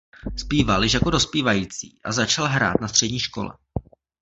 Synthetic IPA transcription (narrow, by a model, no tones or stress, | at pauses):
spiːvaljɪʃjakodo̞spiːvajiːt͡sḭːʔazat͡ʃalɦɾa̰ːt̪̚nast̪r̝̥ɛdɲiːʃko̞̰lɛ̰